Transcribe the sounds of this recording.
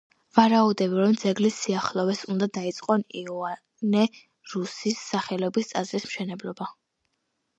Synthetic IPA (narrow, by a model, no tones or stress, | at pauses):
vaɾaud̪ɛbiɾɔmd̪zɛɡlisːiaχlˠɔvɛsund̪ad̪ait̪sʼqʼɔniɔa | nɛ | ɾusisːaχɛlɔbist̪sʼazɾismʃɛnɛblˠɔba